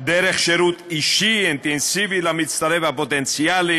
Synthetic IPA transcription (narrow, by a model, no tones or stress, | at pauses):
d̪ɛɾɛχʃɛɾut̪ʰʼiʃiɛnt̪ʼɛnsivilamit̪sʰt̪ʼaɾɛvapʼɔt̪ʼɛnt̪sʰiali